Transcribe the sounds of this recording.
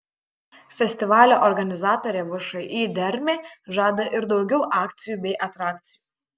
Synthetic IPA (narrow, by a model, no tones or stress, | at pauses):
fʲɛsʲt̪ʲɪʋɑːlʲoːʔɔɾɡɐnʲɪzɑːt̪oːɾʲeːʋɐʃɐɪʔiːd̪ʲɛɾʲmʲeːʒɑːd̪ɐʔɪɾd̪ɒʊɡʲɛʊʔɑːkt̪sʲɪjuːbʲɛɪʔɐt̪ɾɑːk̚t̪sʲɪjuː